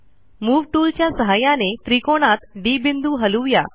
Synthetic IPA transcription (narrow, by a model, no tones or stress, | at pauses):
muːʋʈuːlt͡ɕjasəɦajanet̪ɾikoɽ̃at̪ɖibind̪uːɦəluʋja̰